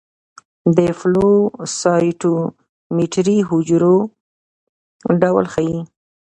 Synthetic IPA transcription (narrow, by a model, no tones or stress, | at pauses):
d̪əflosɑjʈu | miʈɾiɦʊd͡ʒɾo | ɖawlxaji